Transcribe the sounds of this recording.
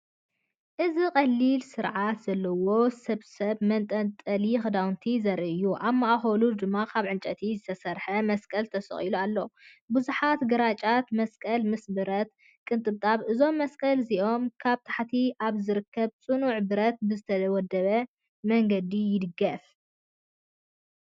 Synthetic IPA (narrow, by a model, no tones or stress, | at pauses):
ʔɨziqʼɐlːilsɨɾʕat̪z̥ɐlːɐwo̞sɐβsɐβmɐnt̪ʼɐnt̪ʼɐlixɨd̪awnt̪ʰizɐɾʔɨɨjːuʔamːaʔaxɐlud̪ɨmːakʰaβʕɨnt͡ʃʼɐt̪ʰizɨt̪ʰɐsɐɾħɐmɐskʼɐlt̪ʰɐsɨ̰χʼilualːo | buzuħat̪ɡɐɾat͡ʃʼat̪mɐskʼɐlmɨsbɨɾɐt̪ | kʼɨnt̪ʼɨβt̪ʼaβʔɨzo̞mːɐskʼɐlziʔo̞mkʰaβt̪ʰḁħt̪ʰiʔaβzɨɾɨkʰːɐβt͡sʼɨnuʕbɨɾɐt̪̚bɨzɨt̪ʰɐwɔd̪ːɐβɐ | mɐŋɡɐd̪ijɪd̪ɨɡɐf